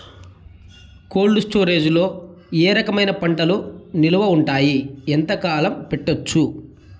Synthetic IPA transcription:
ko̞ːɭɖusʈoːɾe̞ːd͡ʒulo̞ː | eːɾɐkɐmɐjnɐpɐɳʈɐluniluʋɐuɳʈaːjiɛnt̪ɐkaːlɐmpeʈːot͡ʃːu

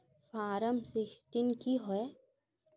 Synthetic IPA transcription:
fʰaːɾəmsɪksʈinkiɦoe

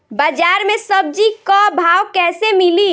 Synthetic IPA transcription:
bəd͡ʒaɾmẽsəb̚d͡ʒikɔbʱaːwkɛːsemili

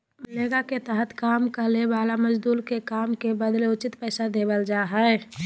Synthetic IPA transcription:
məleːɡaket̪əɦət̪ʰkaːmkəlebaːlaməd͡ʒd̪uːlkekaːmkebəd̪leʊt͡ʃɪt̪pɛːsad̪eːbəld͡ʒaːɦɛ

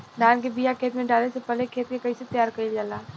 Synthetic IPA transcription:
d̪aːnkebijakʰeːt̪mẽɖaːlesepɐlekʰeːt̪̚kekɐiset̪jaːɾkɐid͡ʒaːlaː

